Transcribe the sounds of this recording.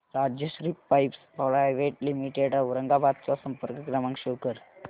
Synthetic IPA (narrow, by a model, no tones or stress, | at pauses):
ɾad͡ʑjəɕɾiːpːajpspɾajʋeʈlimiʈeɖuɾəŋɡabad̪̚t͡sɔsəmpəɾkəkɾamãŋkɕukəɾ